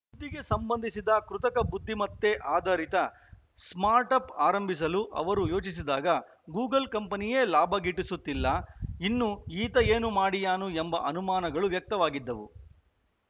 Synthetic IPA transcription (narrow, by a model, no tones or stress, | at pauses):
bud̪ʱːiɡe̞sɐmbɐnd̪ʱisid̪ɐkɾut̪ɐkɐbud̪ʱːimɐt̪ːeʔaːd̪ʱɐɾit̪ɐ | smaːɾʈɐpaːɾɐmbʱis̬ɐluʔɐ̰ʋɐɾujo̞ːt͡ʃisid̪aːɡɐ | ɡuːɡɐlkɐmpɐnije̞ːlaːbʱɐɡiʈːisut̪ːilːɐinːuiːt̪ɐjeːnumaːɽijaːnuembɐʔɐnumaːnɐɡɐɭuʋjɐk̚t̪ɐʋaːɡid̪ːɐʋṵ